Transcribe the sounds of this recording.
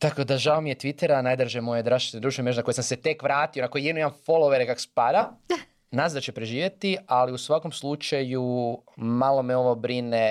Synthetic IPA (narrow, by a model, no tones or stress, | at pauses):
t̪akod̪aʒaomije̞t̪ʋit̪eɾanajd̪ɾʒemo̞jed̪ɾaʃt̪i̥t̪nedɾuʃemeako̞jesamse̞t̪ekʋɾaːt̪io̞nako̞jijed̪nuimanfolˠoʋeɾekako̥spad̪a | nazd̪at͡ʃepɾeʒiːʋjet̪ialiusʋako̞mslˠut͡ʃaju | malˠo̞meo̞ʋobɾine